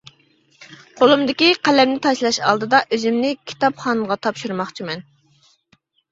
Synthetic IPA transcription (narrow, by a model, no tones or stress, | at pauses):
qʰolˠumd̪ɪkʲiqʰælɛmnɪt̪ʰɑʃlˠɑʃɑ̰lˠd̪ɨd̪ɑʔøzymnɪkʲʰi̥t̪ɑpχɑːnʁɑt̪ʰɑpʃuɾmɑχt͡ʃʰimɛn